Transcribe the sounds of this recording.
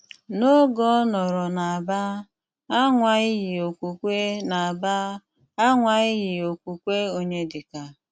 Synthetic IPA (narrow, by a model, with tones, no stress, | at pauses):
no˦ɡɔ˦nɔ˨ɾɔ˨na˨a˨ba˦ | a˦ŋʷa˨ɪ˦ɦɪ˨o˨kʷu˨kʷe˦na˨a˨ba˦ | a˦ŋʷa˨ɪ˦ɣɪ˨o˨kʷu˨kʷe˦o˦ɲe˦dɪ˨ka˨